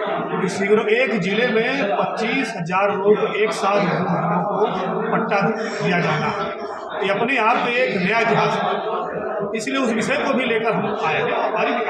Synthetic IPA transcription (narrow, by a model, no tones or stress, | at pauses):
ɪsiɡɾoeːkd͡ʒɪlemẽpɐtːt͡ʃiːsɦɐzaːɾːoːkeːksaːlɾobɐɾnõko | pɐʈːa | d̪ijad͡ʒaːnaɦɛ | eɐpneaːp̚koeːknjaɪt̪ɪɦaːz | ɪslieʊsmɪsɾekobʱileːkəɾaːjaɦɛɔːɾmaːɾi